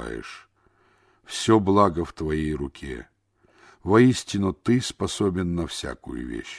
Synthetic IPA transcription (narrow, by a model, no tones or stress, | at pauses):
a̰jɪ̰ʂ | fsʲoblˠaɡəft̪vɐjejrʊkʲʰḛ | vɐisʲtʲɪnʊt̪ɨspɐsobʲɪnːɐfsʲa̰kʊ̰jʊ̰vʲḛɕ